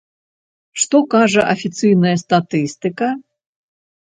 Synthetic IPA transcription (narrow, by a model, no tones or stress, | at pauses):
ʂt̪ɔkaʐɐʔɐfʲit̪sɨjnɐjɐst̪at̪ɨst̪ɨkɐ